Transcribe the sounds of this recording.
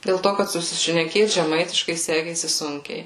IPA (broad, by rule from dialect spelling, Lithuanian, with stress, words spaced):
dʲeːlˠ ˈtoː kɐt sʊsʲɪʃʲnʲɛˈkʲeːt ʒʲɛˈmɐɪtʲɪʃkɐɪ ˈsʲæːkʲeːsʲɪ ˈsʊŋʲkʲɛɪ